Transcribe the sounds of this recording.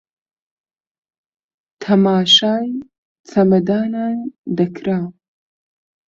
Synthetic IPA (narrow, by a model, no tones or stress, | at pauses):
t̪ʰɐmaːʃaːj | t͡sʰɐmɐd̪aːnaːnd̪ɐkʰɾa